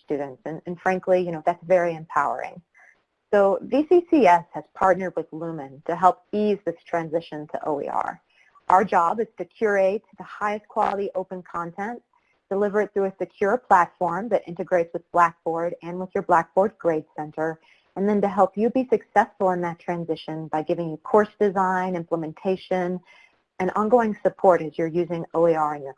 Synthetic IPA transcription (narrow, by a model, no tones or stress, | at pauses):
stʉdⁿn̩tsɨ̃nɨ̃nfɹæ̃ŋklijɨñoʊðætsvɛɹiɨ̃mpʰaʊə̰˞ɪ̰̃ŋ | soʊvisisiɛshɨz̥pʰɑɹtⁿnə˞d̚wɨðlumɨ̃ntʰɨɦɛlˠp̚izðɪstʰɹ̥æ̃nzɪʃɨ̃ntʰə̰ʔo̰ʊḭɑ̰ɹ | ʔaʊə˞d͡ʒɑbɨz̥tʰɨkʰj̥ʊɹeɪt̪ðəhaɪɨskʰw̥ɑlˠəɾiʔoʊpɨ̃nkʰɑ̃ntʰɛ̃n | d̥ɨlɪvə˞ɨt̪̚θɹʉɨsɨkʰj̥ʊɹpʰl̥ætfɔɹmðɨɾʔɪ̰̃ntɨɡɹeɪtswəðb̥læk̚b̥ɔɹɾɨ̃nwəðjə˞blæk̚b̥ɔɹd̚ɡɹeɪd̥sɛ̃ntʰə˞ | ɨ̃nðɨ̃ntɨɦɛlˠpjɨbisɨksɛsfəl̩ˠə̃nðɨtʰɹ̥æ̃nzɪʃɨ̃nbaɪɡɪvɪ̃ŋjɨkʰɔɹsd̥ɨzãɪ̃nɪ̃mpləmɨ̃ntʰeɪʃɨ̃n | ɨ̃nʔə̰̃nɡoʊɪ̃ŋsɨpʰɔɹɾɨzjə˞jʉzɪ̃ŋoʊiɑɹɨ̃njə˞